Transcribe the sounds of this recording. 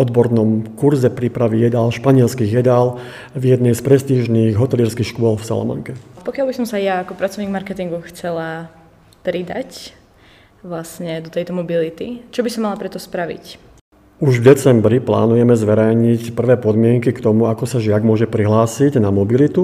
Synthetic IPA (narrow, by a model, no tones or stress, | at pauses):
ɔd̪bɔɾnɔmkuɾzɛpɾipɾaʋijɛd̪alʃpaɲɪɛlskiːɣjɛd̪al | vjɛd̪nɛjspɾɛst̪iːʒniːɣɦɔt̪ɛliːɾskixʃkʊɔlfsa̰lɔ̰mɔ̰ŋkɛpɔkɪalbisɔmsajaːkɔpɾat͡sɔʊɲiɡmaɾkɛt̪iŋɡuxt͡sɛla | pɾid̪a̰c | ʋlasɲɛd̪ɔt̪ɛjt̪ɔmɔbilit̪it͡ʃɔbisɔmːalapɾɛt̪ɔspɾaʋḭc | uʒvd̪ɛt͡sɛmbɾipla̰ːnujɛmɛzʋɛɾɛjɲicpr̩ʋɛːpɔd̪mɪɛŋkikt̪ɔmuakɔsaʒɪaɡmʊɔʒɛpɾiɦlaːsiɟnamɔbilit̪u